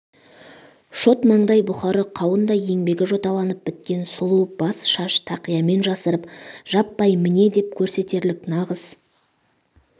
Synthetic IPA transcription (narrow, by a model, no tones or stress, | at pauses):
ʃo̞t̪mɑɴd̪ɑjbʊχɑɾəqʰɑwənd̪ɑje̞ŋbe̞ɡʲɪʒo̞t̪ɑlˠɑnəp̚b̥ɪt̪̚kʲe̞nsʊlˠub̥ɑsʃɑʃt̪ʰɑqijɑme̞nʒɑsəɾəpʒ̥ɑpːɑjmɪne̞d̪e̞p̚kʲʰɵɾse̞t̪e̞ɾlɪknɑʁəz̥